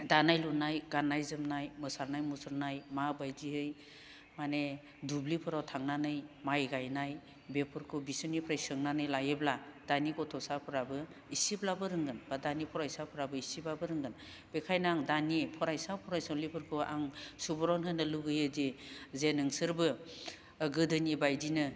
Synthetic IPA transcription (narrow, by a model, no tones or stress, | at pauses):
danajlunajɡanajzɯmnajmɯsaɾnajmusɯɾnajmabajdiɦɯj | mane | dublipʰɯɾawtʰaŋnanɯjmajɡajnaj | bepʰɯɾkʰubisɯnipʰɾajsɯŋnanɯjlajeblad̥anikɔtʰɔsapʰɯɾabɯ | isiblabɯɾɯŋɡɯnbadanipʰɔɾajsapʰɯɾabɯisibabɯɾɯŋɡɯn | b̥ekʰajnŋdanipʰɔɾajsapʰɔɾajsɔlipʰɯɾkʰua̰ŋsubɔɾɔnɦɯnɯluɡɯjɯdizenɯŋsɯɾbɯː | ɡɯdɯnibajdinɯ